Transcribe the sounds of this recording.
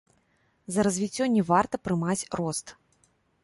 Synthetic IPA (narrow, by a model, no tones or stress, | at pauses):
zɐɾɐzʲvʲit͡sʲːɔnʲːɛvart̪ɐpɾɨmat͡sʲrɔst̪